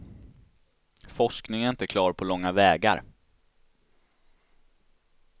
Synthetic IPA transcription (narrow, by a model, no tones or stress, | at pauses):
fɔʂknɪŋənɪnt̪əkʰlɑːɾpʰɔlɔŋːavɛːɡa̰ɾ